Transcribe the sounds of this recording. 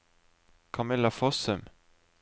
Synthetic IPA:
kʰɑmɪlːafɔsəm

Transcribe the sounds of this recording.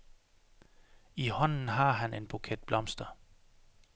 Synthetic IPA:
ihɒ̽n̰n̩ɦɑ̈ɦænʔe̝nb̥ukʰed̥̚b̥lɒ̽msd̥ɐ

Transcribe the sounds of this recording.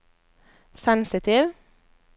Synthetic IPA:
sɛnsɪt̪ʰɪːʋ

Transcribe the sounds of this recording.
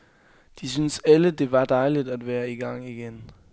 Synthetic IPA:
d̥isynsæləd̥e̝ʋɑ̈d̥ɑ̈ɪlid̥æd̥ʋæːɐiɡ̥ɑ̈ŋ̰iɡ̥en

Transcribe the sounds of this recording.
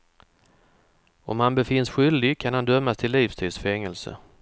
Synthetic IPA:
ɔ̰mhanbɛfɪnːsɧʏld̪ɪɡkʰanhand̪œmːast̪ʰɪlːiːfst̪ʰiːd̪sfɛŋːəlsə̰

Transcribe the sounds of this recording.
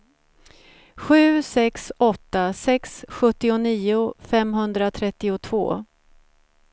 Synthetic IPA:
ɧʉ̟ːsɛksɔt̪ːasɛksɧɵt̪ːɪʊniːʊfɛmɦɵnd̪ɾat̪ʰɾɛt̪ːɪʊt̪ʰv̥o̰ː

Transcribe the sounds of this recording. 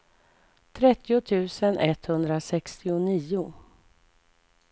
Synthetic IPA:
t̪ʰɾɛt̪ːɪʊt̪ʰʉ̟ːsənʔɛt̪hɵnd̪ɾasɛkst̪ɪʊniːʊ

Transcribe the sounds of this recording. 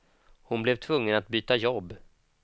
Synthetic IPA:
hʊnblɛvt̪ʰvɵŋːənat̪̚byːt̪ajɔbː

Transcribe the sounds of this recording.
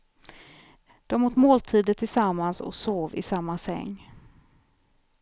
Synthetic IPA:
d̪̥ɔmuːt̪moːlt̪ʰiːd̪ət̪ʰːɪlsamːansɔ̰ksoːvɪ̰samːasɛ̰ŋː

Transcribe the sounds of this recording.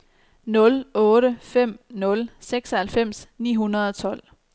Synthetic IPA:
nɔ̽lɔ̽ːɾəfem̰nɔ̽lseɡ̥sɒhælfem̰snḭːɦunɐð̞ˠɒ̽t͡sʰɒ̽l̰

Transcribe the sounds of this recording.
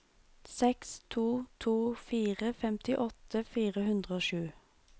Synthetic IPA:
sɛkst̪ʰuːt̪ʰuːfiːʁəfɛmt̪ɪʔɔt̪əfiːʁəhʉnd̪ʁəoːʃʉː

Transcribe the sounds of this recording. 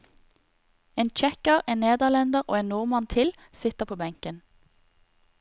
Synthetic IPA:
eːnt͡ʃɛkəʁeːnneːd̪əʁlɛnd̪əʁʔo̰ːeːnnuːʁmɑnt̪ʰɪl | sɪt̪əpʰoːbæŋkən

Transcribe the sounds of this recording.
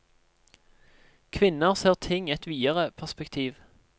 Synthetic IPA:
kʰʋɪnəʁseːʁt̪ʰɪŋɛt̪ʋiːəʁəpʰæʁspɛkt̪ʰiːʋ

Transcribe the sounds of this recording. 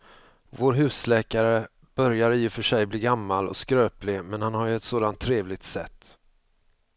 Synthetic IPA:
voːɾɦʉ̟ːslɛːkaɾə | b̥œɾjaɾiːɪfœʂɛjbliːɡamːalɔ̰skɾøːplɪmɛnhanhaɾjɵɛt̪soːd̪ant̪ʰːɾeːvlɪɡ̚t̪sɛ̰t̪ː

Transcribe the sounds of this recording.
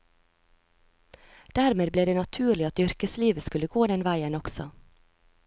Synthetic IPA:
d̪̥æːɾmeːd̪bleːd̪eːnɑt̪ʰʉːɾɭɪɑt̪ʏɾkəsliːʋəskʉləɡoːd̪ɛnʋæɪənɔksɔ

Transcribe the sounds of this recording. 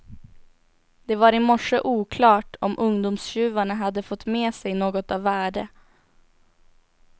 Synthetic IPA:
d̪̥ɛvaɾɪmɔʂəʔuːkʰlɑːʈɔmʔɵŋd̪ʊmsɕʉ̟ːvaɳaɦad̪ːəfɔt̪ːmeːsɛjnoːɡɔt̪avːæːɖə

